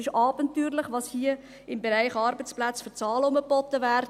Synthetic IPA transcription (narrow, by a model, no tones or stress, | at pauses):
ɪʃɑːbənt̪yːɾləχʋɑːshiə | ɪmbɛɾæɪχɑːɾbət͡splæt͡sfʏt͡sɑːlʊməpɔt̪əʋæːɾ